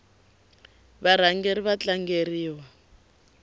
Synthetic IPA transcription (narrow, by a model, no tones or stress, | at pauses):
βaɾ̤aŋɡeɾiβat͡ɬaŋɡeriːwa